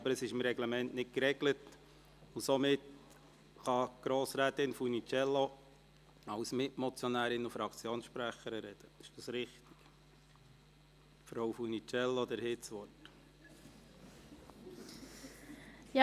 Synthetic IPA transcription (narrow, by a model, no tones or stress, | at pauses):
ɑbəɾəsɪʃɪmɾɛɡlɛmɛnʔnɪtkɾɛɡlət | usomɪt | χɑɡ̥ɾoːsɾæːt̪ɪnfunit͡ʃɛlːo | ɑwsmɪtmɔt͡sjɔnæːɾɪnufɾɑkt͡sjoːnsʃpɾæχəɾəɾɛd̥əɪʃd̥ɑsɾɪχt̪i̥ɡ̥ | fɾowfunit͡ʃɛlːod̪əɾhɪtsʋɔrt | j